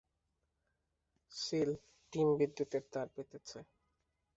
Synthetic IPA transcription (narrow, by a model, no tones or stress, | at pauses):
ʃil | ʈimbid̪ːut̪eɾt̪aɾpet̪et͡ɕʰe